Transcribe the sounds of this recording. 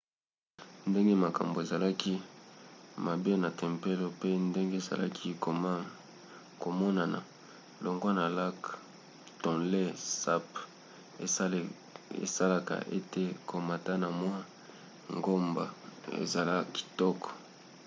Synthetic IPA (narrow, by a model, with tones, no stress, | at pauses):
nde˦ŋɡe˦ma˨ka̰˨mbo˨e˨za˨la˦ki˦ | ma˨be˦na˨tɛ˨mpe˦lo˦pe˦nde˦ŋɡe˦˨za̰˨la̰˦kʰi˦ | ko˨mɔ˦na˨na̰˨ | lo˨ŋɡo˦na˨la˦k | tɔ̃˨nle˦sa˦p | e˨˦˨ | ḛ˨sa˦la˨ka̰˨ʔḛ˦te˦ko˨ma˨ta˦na˨mwa˦ | ŋɡo˦mba̰˨ḛ˨za˨la˦ki̥˨tɔ˦kɔ̥˨